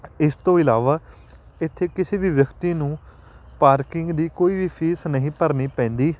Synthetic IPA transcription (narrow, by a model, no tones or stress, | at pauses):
ɪst̪õːɪlaːʋaː | ɪt̪ʰːeːkɪseːʋiːʋjəkt̪iːnũː | paːɾkɪŋɡd̪iːkoːiːʋiːpʰiːsnəɦĩːpəɾniːpɛ̃ːnd̪iː